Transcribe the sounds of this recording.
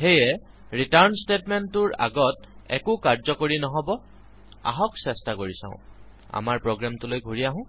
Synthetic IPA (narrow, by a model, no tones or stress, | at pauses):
xejɛ | ɹitaɹnstetmɛntːʊɹa̰ɡɔt | ɛ̰kʊkaɹzɔkoɹinɔɦɔbɔ | a̰ɦɔksɛstakoɹisã̰ʊ̃ | a̰maɹpɹoɡɹamtʊlojɡʱuɹijaɦʊ̃